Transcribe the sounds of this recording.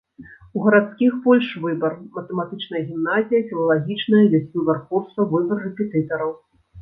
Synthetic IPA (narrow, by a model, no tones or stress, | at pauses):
uɣɐɾat̪skʲixbɔlʲʂvɨbɐrmɐt̪ɛmat̪ɨt͡ʂnɐjɐɣʲimnazʲijɐfʲilˠɐlˠaɣʲit͡ʂnɐjɐvʲasʲvʲubʲɛrkurst̪vɐvɨbɐrːɛpʲɛt̪ɨt̪ɐɾɐw